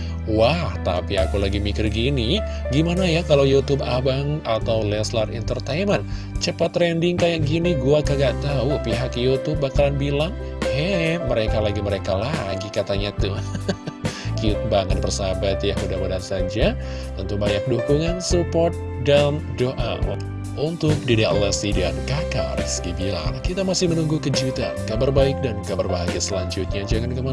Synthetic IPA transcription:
waht̪a̰pia̰kulaɡimikərɡini | ɡimanajakalawjut̪ubabaŋat̪awlɛslarḭnt̪ərt̪ejmən | t͡ʃəpat̪rɛndɪŋkajaʔɡiniɡuakaɡaʔt̪aupiɦakjut̪ub̚ːakalanbilaŋ | hɛməɾekalaɡiməɾekalaɡikat̪aɲat̪u | kiʊt̪̚baŋat̪̚bərsabat̪jaŋudahbənarsad͡ʒa | t̪ənt̪ubaɲak̚dukuŋansupɔrt̪̚ | dan | doʔa̰ | unt̪ʊk̚didia̰lasidankaka̰rskibila̰ŋŋkit̪amasɪhmənuŋɡukəd͡ʒut̪a̰kabarbaɪk̚dankabarbaɦaɡasəlaɲd͡ʒʊt̪̚ɲad͡ʒaŋankəma

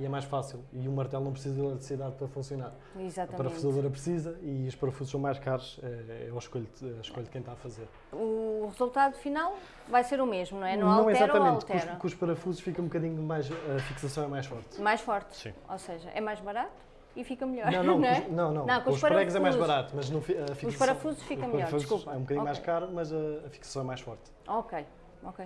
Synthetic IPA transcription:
iɛmajʃfasilˠiumɐɾt̪ɛlˠnɐ̃w̃pɾsizɐðilˠɛt̪ɾsiðaðpɐɾɐfũsjunaɾ | izat̪ɐɐmpɐɾɐ̃fuzɐðoɾɐpɾsizɐiuʃpɐɾɐfuzʃsɐ̃w̃majʃkaɾuʃɛɛɐʃkoʎd̪ɐʃkoʎd̪̚kɐ̃j̃t̪afɐzeɾ | uʁɨzulˠt̪aðufinalˠ | vajseɾumeʒmunɐ̃w̃ɛnɐññɐ̃w̃ɛiɛzaɾt̪ɐmẽnˠkt̪ɾɐ̃kuːʃpɐɾɐfuzuʃfikɐũbkɐðiɲumajʃɐfiksɐsɐ̃w̃ɛmajʃfɔɾt̪majʃfɔɾt̪sḭ̃oseʒɐ̰ʔɛmajʒβɐɾat̪u̥ | ifikɐmʎɔnɾɐ̃w̃nɐ̃w̃ñɛnɐ̃w̃nɐ̃w̃nɐ̃w̃kõuʃpɐɾpɐɾɛɣzɛmajʒuzβɐɾat̪umɐʒnɐ̃w̃fiɐfikusʃɐpɐɾɐfuzuʃfikɐ̃mpɐɾʎɔɾfuzkuppɛũb̚kɐðiɲɲmajʃkaɾumɐzɐɐfi̥ksɐ̥sɐ̃w̃ɛmajʃfɔɾt̪ | okej | okej

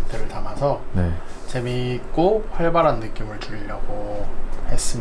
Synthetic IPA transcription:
tʰɯɾɯɭtamasʰʌnet͡ɕe̞mik͈oɸwaɭbaɾɦanːɯk͈imɯɭtuɾiɾaɡohe̞s͈ɯm

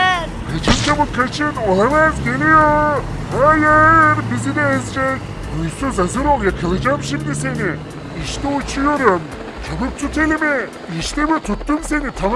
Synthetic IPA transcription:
kʰat͡ʃʰɯnt͡ʃʰabɯpkʰat͡ʃʰɯno̞lˠamazɟe̞lʲijo | haːjɯɾbizid̪ɛːzd͡ʒɛk | ojsøzazɯɾoljakʰɯlˠɯd͡ʒamʃimd̪ise̞ni | iʃt̪ɛut͡ʃʰujo̞ɾum | t͡ʃʰabɯp̚t̪ʰut̪elʲimi | iʃt̪emit̪ʰut̪ːumse̞nit̪ʰam

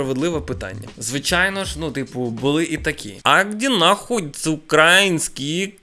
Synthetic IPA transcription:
ɐʋed̪lˠɪʋɐpɪt̪a̰nʲːɐ̰zʋɪt͡ʃajnɔʒnut̪ɪpʊbʊlˠɪʔit̪ɐkʲḭɐɡdʲinɐxɔtʲt͡s̪ʲʊkɾajinʲsʲkʲi

